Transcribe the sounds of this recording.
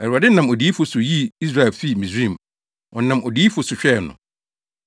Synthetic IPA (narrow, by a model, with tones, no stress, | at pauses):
ɛ˨a˨dɪ˦nã˨mo˨di˨˦fʊ˨sʊ˨ji˦i˦s̬ɾa˨ɛ˨lfi˦˨mĩ˨sĩ˦˨m | ʔɔ˨nã˨mʔo˨di˨˦fʊ˨sʊ˨ɕᶣɛ˦˨nʊ̰̃˨